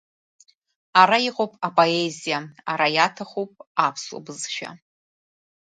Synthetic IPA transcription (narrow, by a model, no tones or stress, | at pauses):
aɾaiqʼowpʼapʼo̞ezijaaɾajatʰaχʷowpʼapʰso̰bɨzʃᶣa̰